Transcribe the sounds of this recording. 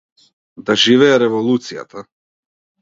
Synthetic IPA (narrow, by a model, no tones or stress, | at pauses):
d̪aʒivɛɛɾɛvɔlˠut̪sija̰t̪a